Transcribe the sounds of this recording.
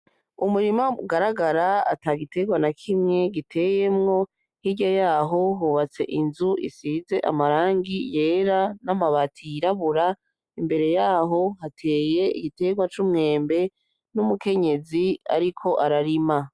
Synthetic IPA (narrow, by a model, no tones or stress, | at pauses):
umuɾimaɡaɾaɡaɾaataːɡite̞ɡwanakʰimŋe̞ɡitʰe̞je̞mŋo̞ | hiɟojaːɦo̞ɦuβat͡se̞̰ʔinzuʔḭsiːze̞ʔa̰maɾaːŋɡije̞ːɾanamaβatʰiɾaβuɾa | imbe̞ɾe̞jaːɦo̞ɦatʰe̞ːje̞ḭɡite̞ɡwat͡ʃumŋe̞ːmbe̞ | numuke̞ɲe̞zia̰ɾikʰo̞ʔaɾaɾima